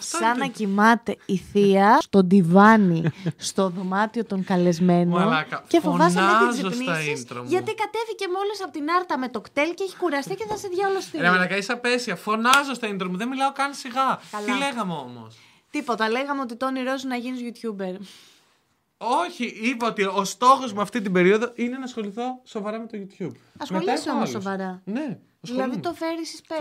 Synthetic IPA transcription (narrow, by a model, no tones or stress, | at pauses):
sɐnɐcimɐt̪e̞iθiɐst̪o̞d̪ivɐnist̪o̞ðo̞mɐt̪io̞t̪o̞ŋkɐle̞zme̞nomkɐce̞foovɐsɐt̪iziosniɐsisnt̪ɾomʝɐt̪ikɐt̪e̞fice̞mo̞lisɐpot̪inɐɾt̪ɐme̞t̪o̞kt̪e̞lceçi̥kuɾɐst̪iceθɐseðʝɐolost̪inemenɐkɐisɐpesiɐfo̞nɐzost̪ɐint̪ɾomuðenmilɐokɐnisiɣɐkɐlile̞ɣɐmeomo̞̰s | t̪ipo̞t̪ɐle̞ɣɐmeo̞t̪̬it̪oniɾo̞zinɐʝinizʝut̪çube̞ɾ | oçiipɐot̪iost̪o̞xo̞zmɐft̪it̪̬ibe̞ɾio̞ðoʔine̞nɐsxo̞liθo̞so̞vɐɾɐmet̪oʝut̪çub | ɐsmolisiomosso̞svɐɾɐne | ɐðiilɐðit̪o̞fe̞ɾisispe